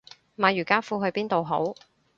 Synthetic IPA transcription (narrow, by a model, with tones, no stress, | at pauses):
maː˨˧jyː˨˩kaː˥fuː˧ɦɵ˧ɥpiː˥nt̪o˨wɦo̰˨˥w